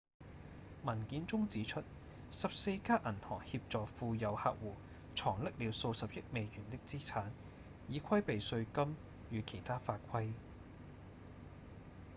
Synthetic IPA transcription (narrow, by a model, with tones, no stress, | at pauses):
mɐ˨˩nkiː˨˥nt͡sʊ˥ŋt͡siː˨˥t͡ʃʰɵ˥t̚ | sɐ˨p̚se˧jkaː˥ʔɐ˨˩nhɔ̰ː˨˩ŋhi˧p̚t͡sɔː˨kfuː˧jɐ˨˧wha̰ː˧k̚wuː˨˩ | t͡ʃʰɔː˨˩ŋlɪ˥k̚liː˨˧wso˧wsɐ˨p̚jɪ˥t̚me˨jjyː˨˩nt̪ɪ˥k̚t͡siː˥t͡sʰaː˨˥n | jiː˨˧kʷʰɐ˥jpe˨jsɵ˧ɥkɐ˥m | jyː˨˧kʰe˨˩jt̪ʰaː˥faː˧t̚kʷʰɐ˥j